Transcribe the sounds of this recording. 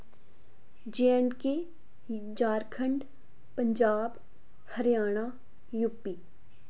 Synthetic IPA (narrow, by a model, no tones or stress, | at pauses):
d͡ʒejəɳɖke | d͡ʒaːɾkʰə̃ɳɖ | pəɲd͡ʒaːb | həɾjaːɽ̃a | jupːiː